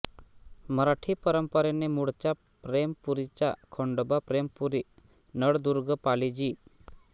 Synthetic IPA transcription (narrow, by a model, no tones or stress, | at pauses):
məɾaʈʰipəɾəmpəɾɛnɛmuɽt͡ʃa | pɾempuɾit͡ʃakʰɔɳɖɔbapɾempuɾi | nəɽd̪uɾɡəpalid͡ʒi